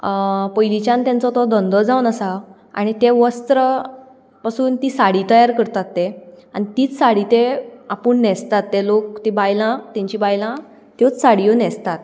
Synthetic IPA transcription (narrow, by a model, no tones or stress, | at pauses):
pɔjlit͡ɕãnt̪jãnt͡sɔt̪ɔd̪ɔnd̪ɔd͡zaunəsa | a̰ɽ̃it̪eʋəst̪ɾə | pasuːnt̪iːsaɽiːt̪əjaɾkəɾt̪at̪ːea̰ñit̪iːt͡ssaɽit̪eapəɳnɛst̪at̪ːelok̚t̪ebajlãt̪ɛ̃ɲt͡ɕibajlã | t̪jot͡ssaɽijonɛst̪at̪̚